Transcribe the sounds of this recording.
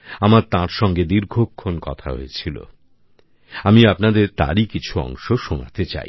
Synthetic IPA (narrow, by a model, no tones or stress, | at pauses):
amaɾt̪ãɾʃɔŋɡed̪iɾɡʱokʰːonkɔ̰t̪ʰa̰ɦo̰et͡ɕʰilo̰ | amiapnad̪eɾt̪a̰ɾikit͡ɕʰuɔ̰ŋʃoʃona̰t̪et͡ɕa̰j